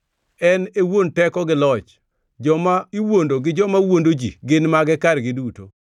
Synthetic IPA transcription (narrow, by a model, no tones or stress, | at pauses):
ɛnewontɛkɔɡɪlɔt͡ʃ | d͡ʒɔmaiwondoɡɪd͡ʒɔmawondod͡ʒḭɡɪnmaɡɛkaɾɡɪduto̰